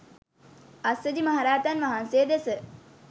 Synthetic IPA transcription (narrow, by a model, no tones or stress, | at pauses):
asʋəd͡ʒimaɦaɾaːt̪anʋaɦansejːd̪esə